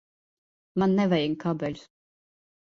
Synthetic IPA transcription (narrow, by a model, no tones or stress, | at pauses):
manːɛvɛjiŋkabɛlʲu̥s